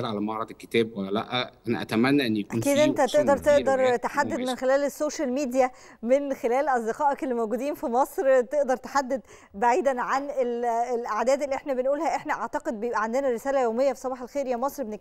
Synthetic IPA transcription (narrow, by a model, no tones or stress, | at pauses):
lʕalæmɑʕɾˤɑd̪ekːe̥t̪æːbwælːælæ̰ʔæʔænæ̰ʔæ̰t̪æmænːæʔenːijækʔæuːnkiːd̪ʔent̪æt̪eʔd̪ɑɾˤt̪eʔd̪ɑɾˤt̪aħad̪ːed̪menxelæːlesːoːʃælmiːd̪jæ | menxelæːlʔɑzˤd̪eqɑːʔɑkelːimowɡuːd̪iːnfimɑsˤɾt̪eʔd̪ɑɾˤt̪ḁħad̪ːed̪ | baʕiːd̪ænʕanelelʔaʕd̪æːd̪elːiʔeħnæbenʔuːlhæʔeħnæʔaʕt̪ɑqed̪̚bejebʔæʕand̪enæɾesæːlæjoːmejːæfi̥sˤɑbɑːħelxeːɾjæmɑsˤɾbene